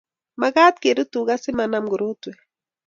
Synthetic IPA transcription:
maɣa˦t̪̚ke˨ɾu˦t̪u˨ɣa˦sɪ˦manamɡu˨ɾo˦t̪we˨

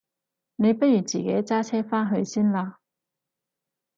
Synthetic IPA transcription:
ne˨˧jpɐ˥t̚jyː˨˩t͡sḭː˨˩ke˨˥jt͡saː˥t͡sʰɛː˥faː˥nɦɵ˧ɥsiː˥nlaː˧

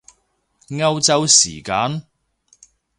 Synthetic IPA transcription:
ŋɐ˥˧wt͡sɐ˥wsḭː˨˩kaː˧˥n

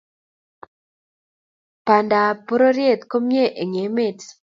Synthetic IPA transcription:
pa˨nda˨po˦ɾo˦ɾje˦˨t̪ko˦mje˦ʔe˨ŋe˨˦me˦˨t

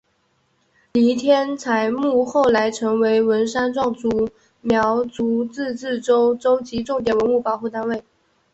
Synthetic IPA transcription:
li˧˥t̪ʰjɛ˥nt͡sʰa˧˥ɪmu˥˧xo˥˩ʊla˧˥ɪʈ͡ʂʰɤ˧˥ŋwe˧˥ɪwə˧˥nʂa˥nʈ͡ʂwɑ˥˩ŋt͡su˧˥ | mjɑ˧˥ʊt͡su˧˥t͡sɹ̩˥˧t͡sɹ̩˥˩ʈ͡ʂo˥ʊʈ͡ʂo˥ʊt͡ɕi˧˥ʈ͡ʂʊ˥˩ŋt̪jɛ˨˩nwə˧˥nu˥˩pɑ˨˩ʊxu˥˩t̪a˥nwe˥˩ɪ

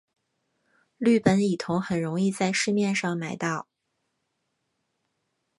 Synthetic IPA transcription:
ly˥˩pə˧˥ni˨˩t̪ʰʊ˧˥ŋxə˨˩nɻʊ˧˥ŋi˥˧t͡sa˥˧ɪʂɻ̩˥˧mjɛ˥˧nʂɑ˥˩ŋma˧˥ɪt̪ɑ˥˩ʊ

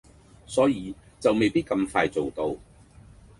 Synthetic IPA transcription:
sɔː˨˥jiː˨˧t͡sɐ˨wme˨jpiː˥t̚kɐ˧mfaː˧jt͡so˨wt̪o˧w

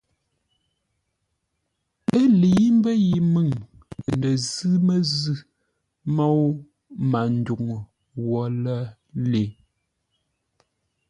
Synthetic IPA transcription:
ə˦li˨˦m˦bə˦ji˨mɨ˦˨ŋ˨ | nə˨zɨ˦mə˦zɨ˦ | mɔ˦w | ma˨n̩˦du˨ŋ˨ | wɔ˨˦lə˦ | le˨˦

